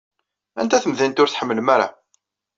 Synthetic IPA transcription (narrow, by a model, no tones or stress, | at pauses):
ænt̪æθəmðint̪ʊɾθħəmːələmæɾa̰